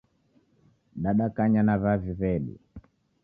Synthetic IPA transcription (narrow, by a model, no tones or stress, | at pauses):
ɗaɗakaɲanaβaviβɛɗḭ